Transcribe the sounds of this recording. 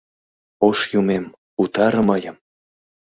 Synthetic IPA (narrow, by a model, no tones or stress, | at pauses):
oʃjumem | ut̪ɑɾə̆mɤjə̆m